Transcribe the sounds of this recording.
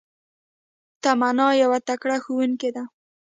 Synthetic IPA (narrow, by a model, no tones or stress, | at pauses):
t̪amanɑjawat̪akɽaxuwunked̪a